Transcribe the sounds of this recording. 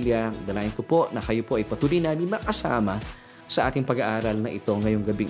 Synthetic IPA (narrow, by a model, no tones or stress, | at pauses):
ljɐd̪ɐlaːʔɪnkopo̞nɐkɐjo̞poʔɐjpɐt̪uːlojnaːmɪnmɐkɐsa̰ːmɐ | sɐʔaːt̪ɪŋpɐɡaʔaːɾɐlnɐʔɪt̪o̞ŋɐjo̞ŋɡɐbiŋ